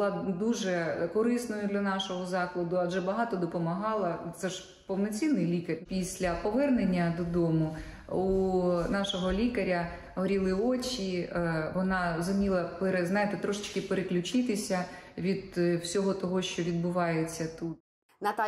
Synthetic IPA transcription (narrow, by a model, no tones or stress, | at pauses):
lˠɑd̪uʒɛkɔɾɪsnɔjʊd̪lʲɐnɑʃɔɦɔzɑklˠɐd̪ʊɐʒɛbɐɦɑt̪ɔd̪ɔpɔmɐɦɑlˠɐt̪sɛʒ̥ | pɔwnɔt͡sʲinːɪjlʲikɐrʲpʲisʲlʲɐpɔʋɛrnenʲːɐd̪ɔd̪ɔmʊ | unɑʃɔɦɔlʲikɐɾʲɐ | ɦɔɾʲilˠɪot͡ʃʲiʋɔnɑɾɔzʊmʲilˠɐpeɾeznɑjɪt̪et̪ɾɔʃɪ̥t͡ʃkɪpeɾeklʲʊt͡ʃɪt̪ɪsʲɐʋʲid̪wsʲɔɦɔt̪ɔɦɔʃt͡ʃɔʋʲid̪̚bʊʋɑjet͡sʲːɐt̪ut̪ | nɐt̪